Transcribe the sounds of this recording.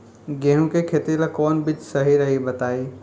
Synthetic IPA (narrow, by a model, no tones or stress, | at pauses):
ɡẽɦũkekʰet̪ilakɔːnbɪt͡ʃsɐɦiɾɐɦibɐt̪aːiː